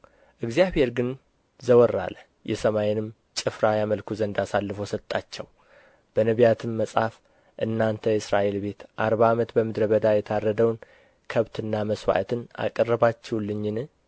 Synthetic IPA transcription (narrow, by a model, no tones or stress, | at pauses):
ʔɨɡzijaβhe̞ɾɡɨn | zəwɔrːa̰lə | jɛsəmajnɨm | t͡ʃʼɨfɾajaməlkʰuzənd̪asalːɨfosət̪ʼːat͡ʃːɛw | b̥ənəβijat̪ʰɨmːəsʼaf | ʔɨnːant̪ʰəjɛɨsɾaʔe̞lbe̞t̪ʔaɾbaːmət̪bəmɨd̪ɾəβəd̪ajɛt̪ʰarːəd̪əwn | kʰəβt̪ʰɨnːaməswa̰ʔt̪ʰɨna̰kʼərːəβat͡ʃːɛwlːɨɲːɪn